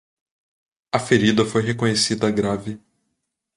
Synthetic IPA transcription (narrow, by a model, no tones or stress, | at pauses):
ɐfeɾid̪ɐfojɦekõɲesid̪ɐɡɾavɪ